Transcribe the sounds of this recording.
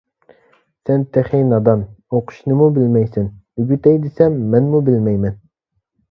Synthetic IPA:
sɛnt̪ʰæχinɑd̪ɑnoqʰʊ̥ʃnɨmubɪlmɛjsɪnyɡʲyt̪ɛjd̪ɪsɛmːɛnmubɪlmɛjmɛn

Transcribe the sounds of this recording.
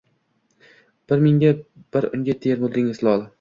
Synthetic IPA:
b̥ɪɾmɪŋɡʲab̥ɪɾʊ̰ŋɡʲat̪ʰeɾmʊlˠd̪ɪŋɪslˠɒlˠɪ

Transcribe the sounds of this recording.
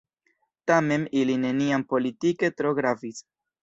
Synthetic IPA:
tame̞miline̞niampo̞litike̞tɾo̞ɡɾafis

